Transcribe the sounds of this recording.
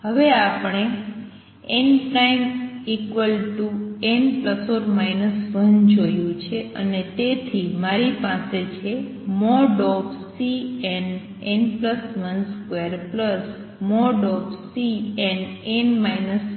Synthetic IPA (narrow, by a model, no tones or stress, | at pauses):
ɦəʋeapɳ̃e | enpɾajmikʋəlʈuenpləsoɾmainəsʋənd͡ʒojũt͡ʃʰeə̰net̪et̪ʰimaɾipaset͡ʃʰe | mɔɖɔpsiɛn | enpləsʋənskweɾpləs | mɔɖɔbsiɛnenmajnəs